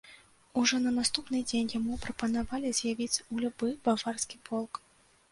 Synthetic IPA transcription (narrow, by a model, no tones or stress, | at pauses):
uʐɔnɐnast̪upnɨd͡zʲenʲjamupɾɐpɐnavalʲizʲjavʲit͡sʲulʲubɨbavarskʲipʰɔlˠk